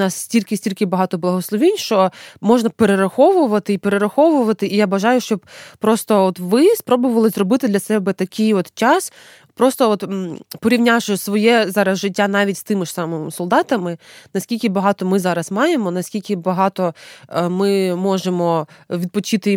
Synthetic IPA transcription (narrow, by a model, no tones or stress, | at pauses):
nɑsːsʲtʲilʲkɪsʲtʲilʲkɪbɐɦɑt̪ɔblˠɐɦɔslˠɔʋʲinʲʃt͡ʃɔmɔʒnɐpeɾeɾɐxɔʋʊʋɐt̪ɪipeɾeɾɐxɔʋʊʋɐt̪ɪʔijabɐʒɑjʊʃt͡ʃɔb̚pɾɔst̪ɔɔt̪ʋɪspɾɔbʊʋɐlˠɪzrɔbɪt̪ɪd̪lʲɐsɛbɛt̪ɐkʰɪjɔt̪t͡ʃɑs | pɾɔst̪ɔɔt̪pɔɾʲiʋnʲaʃɔsʋɔjɛzɑɾɐzʒɪt̚ʲːanɑʋʲitʲst̪ɪmɪʂsɑmɪmsɔlˠd̪ɑt̪ɐmɪnɐsʲkʲilʲkɪbɐɦɑt̪ɔmɪzɑɾɐsmɑjemɔnɐsʲkʲilʲkɪbɐɦɑt̪ɔmɪmɔʒemɔʋʲid̪̚pɔt͡ʃɪt̪ɪ